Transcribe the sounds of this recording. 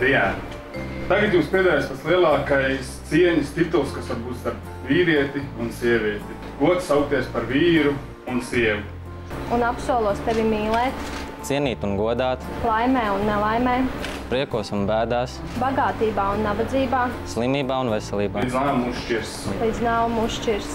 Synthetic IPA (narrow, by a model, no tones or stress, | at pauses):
d̪iɛæn | t̪aɡat̪juːspʲiɛd̪aːjaːspat̪sliɛlˠɑːkajst̪siɛɲist̪it̪ulˠskasʋaɾbuːt̪st̪aɾp | viːɾiɛt̪iunsiɛvʲiɛt̪i | ɡ̥uɔt̪ssawk̚t̪ʲiɛspaɾviːɾu | unsiɛvu | unapsuɔlˠuɔst̪eʋʲimiːlˠɛːt̪ | t̪siɛniːt̪unɡuɔd̪aːt̪lˠajmɛːunːɛlˠajmɛː | pɾiɛkuɔsunbæːd̪aːs | baɡaːt̪iːbaːunːabad̪ziːbaːslˠimiːbaːunvɛsɛlˠiːbaːd̪znaːmuʃt͡ʃiɾslˠid̪znaːwmusʃt͡ʃiɾs